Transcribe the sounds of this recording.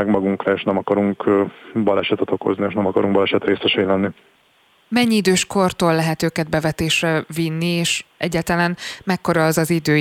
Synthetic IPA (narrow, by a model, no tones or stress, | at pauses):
ɛɡmɒɡuŋkrɒeːʃnɛmɒkɒɾuŋkbɒlɛʃɛt̪ɛt̪o̞ko̞̰znieːʃnɛmɒkɒɾuŋɡbɒlɛʃɛt̪reːsɛʃɛːlɛnːi | mɛɲːiid̪øːʃko̞rt̪oːlːɛɦɛt̪øːkɛd̪̚bɛvɛt̪eːʃrɛvinːieːʃʔɛɟːaːlt̪ɒlanmɛkːo̞ɾɒɒzɒzid̪øː